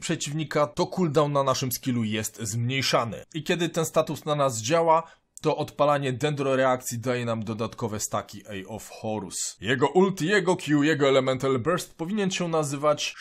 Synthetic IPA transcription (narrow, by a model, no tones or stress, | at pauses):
pʂɛt͡ɕivɲikat̪ɔkuld̪awnanaʂɘmskʲilujɛst̪zmɲejʂanɘ̰ikʲɛd̪ɘt̪ɛnst̪at̪usnanazd͡ʑawa | t̪ɔʔɔt̪palaɲɛd̪ɛnd̪ɾɔɾɛakt̪sʲjid̪ajɛnamd̪ɔd̪at̪kɔvɛst̪akʲiʔɛjɔfxɔɾṵsjɛɡɔʔult̪jɛɡɔkʲjujɛɡɔɛlɛmɛnt̪albɛɾst̪̚pɔvʲiɲɛnɕɛnazɘvat͡ɕ